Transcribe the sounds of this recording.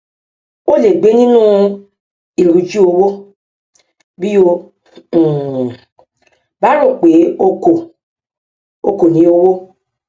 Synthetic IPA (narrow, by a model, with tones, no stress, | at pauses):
o˦˨le˨ɡ͡be˨˦nĩ˦nũ˦ | i˦˨ɾu˨d͡ʒi˦o˧wo˦ | bi˦õ˧˦˨ | ba˨˦ɾõ˦˨k͡pe˨˦o˧ko˨ | o˧ko˨nĩ˨˦o˧wo˦